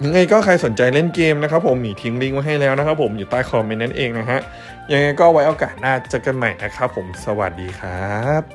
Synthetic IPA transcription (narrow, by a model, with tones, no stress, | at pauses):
ja˧ŋa˧jkɔː˥˩kʰa˧jso˩˦nt͡ɕa˧jle˥˩nkeː˧mna˦˥kʰa˦˥pʰːo˩˦mːiː˩˦t̪ʰi˦˥ŋli˥˩ŋwa˦˥ɦa˥˩jlɛː˦˥wna˦˥kʰa˦˥pʰːo˩˦mjuː˨˩t̪aː˥˩jkʰɔː˧me˧nːa˦˥nʔeː˧ŋna˦˥kʰa˦˥ʔ | ja˧ŋːa˧jkɔː˥˩wa˦˥jʔoː˧kaː˨˩t̪̚naː˥˩t͡ɕa˧ka˧nma˨˩jna˦˥kʰa˦˥pʰːo˨˩˦msa˧wa̰˨˩t̪̚diː˧kʰɾaː˦p̚